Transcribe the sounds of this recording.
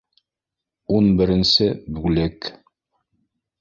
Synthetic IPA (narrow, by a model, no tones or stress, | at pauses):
unbɘ̆ɾɘ̆nsɘbʉlɘk